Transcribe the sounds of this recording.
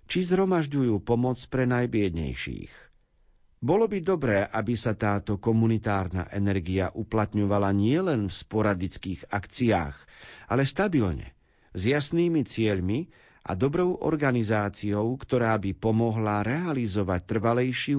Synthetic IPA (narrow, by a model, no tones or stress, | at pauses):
t͡ʃizɦɾɔmaʒɟujuːpɔmɔt͡spɾɛnajbɪɛd̪ɲɛ̰jʃḭːx | bɔlɔbid̪ɔbɾɛːʔabisat̪aːt̪ɔkɔmunit̪aːɾna̰ʔɛnɛɾɡia̰ʔuplat̪ɲɔʋalaɲɪɛlɛnfspɔɾad̪it͡skiːɣakt͡sia̰ːɣalɛst̪abilɲɛ̰ | zjasniːmit͡sɪɛʎmi | ʔa̰d̪ɔbɾɔʊʔɔ̰ɾɡanizaːt͡siɔʊkt̪ɔɾaːbipɔmɔɦlaɾɛalizɔʋac̚t̪r̩ʋalɛjʃi